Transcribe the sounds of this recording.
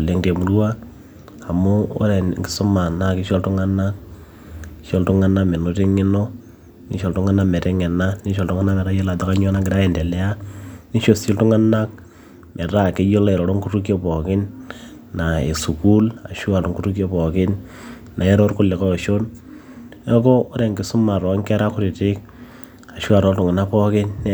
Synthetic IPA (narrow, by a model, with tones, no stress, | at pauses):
le˨˦ŋte˨mu˨ɾu˦wa˦ | a˨mo˦o̰˦ɾɛ˨nŋɡɪ̥˦sʊ˦ma˨na˦kɪ˦ʃɔ˦ltu˦ŋa˦na˦k̚ | ʃo˦ltu˦ŋa˦na˦me˨no˦ti˦ŋɪ˦no˦ | ni˦ʃo˨ltʊ˦ŋa˦na˦mɛ˨ɾɛ˦ŋɛ˨na˦ni˦ʃo˨ltʊ˦ŋa˦na˦mɛ˨ɾa˦jo˦la˨ta˦ka˦ɲ˦ɔ˦na˦kɡɪ˨ɾa˦e˨ndɛ˨lɛ˦a˦ni˦ʃo˨si˦ltu˦ŋa˦na˦k̚ | mʔɛ˨ɾa˦˨ke˦jo˦le˨ɾɔ˨ɾo˦ŋku˦tu˦kjo˦pɔ˨kɪ˦n | na˨e˨su˨ku˦la̰˨ʃu˦a˨to˦ŋku˦tu˦kjo˦pɔ˨kɪ˦n | na˨e˦ɾo˦ɾkʊ˦le˨kɔ˦˨ʃo˦n | ɔ˦kɔː˦ɾe˨ŋkɪ˨˦sʊ˦ma˨ɾɔ˨˦ŋkɛ˦ɾa˦kʊ˦ɾi˨tɪ˦k̚ | a˨ʃu˦a˨ɾo˦ltʊ˨ŋɪ˨na˦pɔ˦kɪ˦n